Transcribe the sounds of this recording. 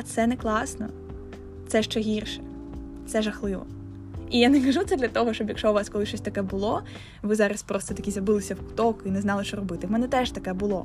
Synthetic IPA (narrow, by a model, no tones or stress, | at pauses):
ɐt̪sɛnɛklˠɑsnɔ̰ | t̪sɛʃt͡ʃɛɦʲirʃɛ̥ | t̪sɛʒɐxlˠɪʋɔ̰ | ijanɛkɐʒut̪sɛd̪lʲɐt̪ɔɦɔʃt͡ʃɔbjɐkʃt͡ʃɔʋɑskɔlˠɪʃt͡ʃɔsʲt̪ɐkɛbʊlˠɔ | ʋɪzɑɾɐspɾɔst̪ɔt̪ɐkʲizʲjɐbɪlˠɪsʲɐwkʊt̪ɔkinɛznɑlˠɪʃt͡ʃɔɾɔbɪt̪ɪwmɛnɛt̪ɛʒt̪ɐkɛbʊlˠɔ̰